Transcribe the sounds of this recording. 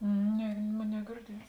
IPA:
ˈnʲɛ ˈmoːn nʲɛɡʲɪrʲˈdʲiɛts

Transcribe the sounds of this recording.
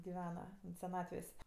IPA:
ɡʲɪˈʋʲæːnɐ sʲɛˈnɑːtʲʋʲeːsʲ

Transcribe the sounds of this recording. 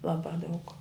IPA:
ˈlˠɑːbɑː dɐʊk

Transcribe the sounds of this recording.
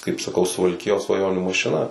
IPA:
kɐɪp sɐˈkɐʊ sʊʋɐlʲˈkʲɪjoːs sʋɐˈjoːnʲuː mɐʃʲɪˈnɐ

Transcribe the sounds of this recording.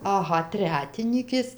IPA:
ɐˈɣɐ ˈtʲrʲæːtʲɪnʲiːkʲeːs

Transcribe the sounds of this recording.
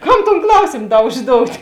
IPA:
ˈkɐm toːn ˈklˠɐʊsʲeːm ˈdɐ ʊʒˈdoːʊtʲ

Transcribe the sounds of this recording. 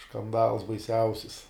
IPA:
ʃkɐnˈdɐlˠs bɐɪˈsʲɛʊsʲɪs

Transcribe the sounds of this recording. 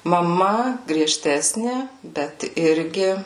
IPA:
mɐˈmɐ ɡrʲiɛˈʃʲtʲæːsʲnʲɪ ˈbʲɛt ˈɪrʲɡʲɪ

